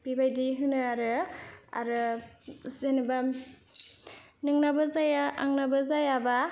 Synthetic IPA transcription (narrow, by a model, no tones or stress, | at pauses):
pibajdiɦɯnɯaɾɯa̰ɾɯ | zenɯba | nɯŋnabazajaʔa̰ŋnabɯzajaba